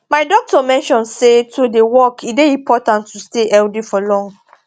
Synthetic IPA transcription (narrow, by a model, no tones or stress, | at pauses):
maɪdɔk̚tɔmɛ̃nʃɔ̃nsetʰodewɔkʰibeĩmpʰɔtãntːusteʔɛldifɔlɔ̃ŋ